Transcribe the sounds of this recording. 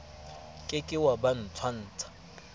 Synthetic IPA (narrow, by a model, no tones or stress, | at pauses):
kʼɪkʼɪwaban̩tʰwan̩ːt͡sʰḁ